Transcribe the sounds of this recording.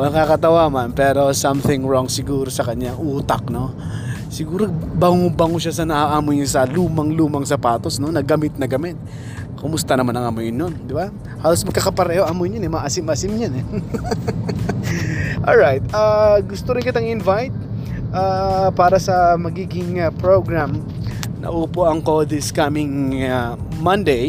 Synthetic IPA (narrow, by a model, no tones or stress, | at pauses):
nɐkakɐt̪ɐwamanpɛːɾo̞sɐmθɪŋɹoŋsɪɡuːɾosɐkɐɲjaŋʔuːt̪ɐ̰k̚no̞ | sɪɡuːɾobɐŋobɐŋoʃasɐnɐʔaʔaːmojɪnsɐluːmɐŋluːmɐŋsɐpaːt̪o̞sno̞nɐɡɐmɪt̪̚nɐɡɐmɛt̪̚ | kʊmʊst̪ɐnɐmanɐŋɐmojɪnjond̪ɪba | haːlosmɐɡ̚kɐkɐpɐɾɛːhoʔɐmojnɲɐnɛmɐʔɐsɪmɐʔɐsɪmɲanɛ | ʔolɹajt̪̚aɡʊst̪oɾɪnkɪt̪ɐŋɪnvajt̪̚ | ʔapaːɾɐsɐmɐɡiːɡɪŋɐpɹoɡɹam | nɐ̰ʔuːpoʔɐŋkod̪ɪskamɪŋamɐnd̪ɛj